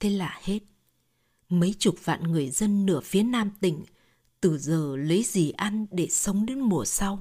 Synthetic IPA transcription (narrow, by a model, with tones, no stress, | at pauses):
t̪ʰe˧laː˨˩he˦˥t̚ | mə˨˦jt͡ɕʊ˨˩t̚va̰ː˧˨nŋɨ˨˩əjzə˧nːɨ̰˧˩əfi˨˦ənaː˧mt̪ï˧˩ŋ̟ | t̪ɨ˨˧˩zəː˨˩lə˨˦jzi˨˩ʔa˧nɗe˧˩sə˨˦wŋ͡mɗe˨˦nmu˨˩əsa˧w